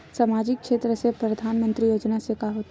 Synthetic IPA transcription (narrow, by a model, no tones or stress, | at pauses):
saːmaːd͡ʒɪkːʃeːt̪ɾəsepɾɐd̪ʱaːnmə̃nt̪ɾijoːd͡ʒnasekaɦoːt̪